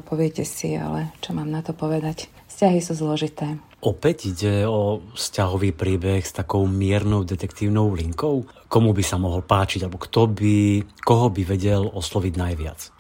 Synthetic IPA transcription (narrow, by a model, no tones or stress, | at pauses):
pɔʋɪɛcɛsḭa̰lɛt͡ʃɔmaːmnat̪ɔpɔʋɛd̪ac | fscaɦisuːzlɔʒit̪ɛː | ɔpɛɟiɟɛɔfscaɦɔʋiːpɾiːbɛxst̪akɔʊmɪɛɾnɔʊd̪ɛt̪ɛkt̪iːʊnɔʊliŋkɔʊkɔmubisamɔɦɔlpaːt͡ʃiɟalɛbɔkt̪ɔbikɔɦɔbiʋɛɟɛlɔslɔʋiɟnajʋɪa̰t͡s